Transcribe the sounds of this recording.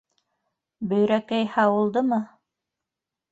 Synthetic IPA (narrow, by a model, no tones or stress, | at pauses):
bɵ̆jɾækæjhɑwɤ̆lˠd̪ɤmɤ